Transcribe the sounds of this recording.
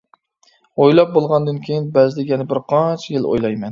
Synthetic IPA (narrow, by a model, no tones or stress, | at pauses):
ojlˠɑp̚bolˠʁɑnd̪ɨnkʲʰejinbɛzd̪ɪɡjɛnɛbɪɾqʰɑnt͡ʃʰjɪlˠo̰jlˠɑjmɛn